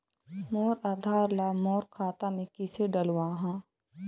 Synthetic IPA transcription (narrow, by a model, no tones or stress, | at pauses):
moːɾaːd̪ʱaːɾlaːmɔːɾkʰaːt̪amẽkɪseɖəlwaːɦãː